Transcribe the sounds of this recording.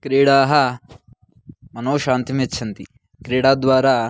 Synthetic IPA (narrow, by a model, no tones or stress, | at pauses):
kɾiːɽaːɦɐ | mɐnoːʃaːnt̪imet͡ʃʰːɐnt̪i | kɾiːɽaːd̪ʋaːɾaː